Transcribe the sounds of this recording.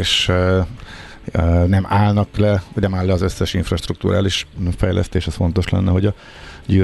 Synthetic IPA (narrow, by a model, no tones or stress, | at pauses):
eːʃ | nɛmaːlnɒklɛnɛmaːlːɛɒzø̞sːɛʃiɱfrɒʃt̪rɾuk̚t̪uːɾʔa̰ːliʃfɛjlʔɛ̰st̪eːʃɛsfo̞nt̪o̞ʃlɛ̰nːɛɦo̞ɟɒ | ɟyː